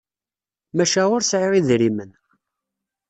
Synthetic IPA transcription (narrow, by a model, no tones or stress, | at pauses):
mæʃæʊɾsʕɪʁiðɾimən